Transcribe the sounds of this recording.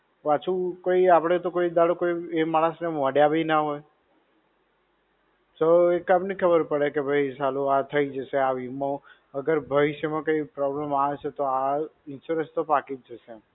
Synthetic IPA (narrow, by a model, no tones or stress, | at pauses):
ʋat͡ʃʰũkoiapɽ̃et̪okoid̪aɽokoiemaɭ̃asneʋəɽjabʱinaɦoj | t̪oekapnikʰəbəɾpəɽekebʱəjt͡ʃaluat̪ʰəid͡ʒəʃeaʋimo | əɡəɾbʱəʋɪʃjmãkəipɾɔblemaʋet͡ʃʰet̪oaɪnsuɾəst̪opakid͡ʒəʃe